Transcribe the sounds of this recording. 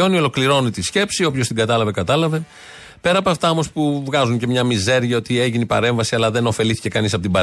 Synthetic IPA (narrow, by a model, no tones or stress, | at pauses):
o̞nio̞lo̞kliɾo̞nit̪isce̞psio̞pço̞st̪iŋɡɐt̪ɐlɐve̞kɐt̪ɐlɐve̞ | pe̞ɾɐpoɐft̪ɐo̞mo̞spuvɣɐzuɲce̞mɲɐmize̞ɾʝɐo̞t̪ie̞ʝinipɐ̰ɾe̞ɱvɐsiɐlɐðe̞no̞fe̞liθi̥ce̞kɐnisɐpo̞t̪ibɐ